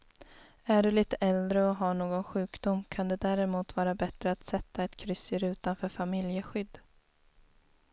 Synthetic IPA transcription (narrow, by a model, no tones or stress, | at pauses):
æɖɵliːt̪əʔɛld̪ɾəɔɦaːɳoːɡɔnɧʉ̟ːkd̪ʊmkʰand̪ɛd̪æːɾɛmuːt̪vɑːɾabɛt̪ɾəat̪sɛt̪ːaɛt̪kʰɾʏsːɪɾʉ̟ːt̪anfœːɾfamɪljəɧʏd̪ː